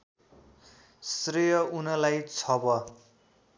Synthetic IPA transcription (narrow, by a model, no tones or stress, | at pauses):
srijʌunʌlajt͡sʰʌbʌ